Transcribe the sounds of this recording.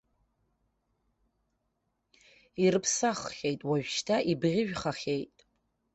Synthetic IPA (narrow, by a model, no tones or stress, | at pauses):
iɾɨpʰsaχχʲe̞jtʼwaʒᶣʷʃtʰaʔibʁʲɪʒᶣχaχʲejtʼ